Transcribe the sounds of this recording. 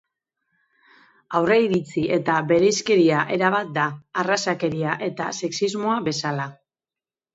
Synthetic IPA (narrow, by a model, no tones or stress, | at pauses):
awre̞iɾit͡siʔe̞t̪aβe̞ɾe̞jske̞ɾiaʔe̞ɾaβ̞at̪̚d̪aːrasake̞ɾiaʔe̞t̪a̰se̞ksizmo̞aβe̞sala